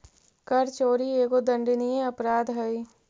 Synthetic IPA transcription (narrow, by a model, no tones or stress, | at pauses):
kɐɾt͡ʃoːɾieːɡod̪ɐ̃ɳɖnijẽɐpɾaːd̪ɦɐiː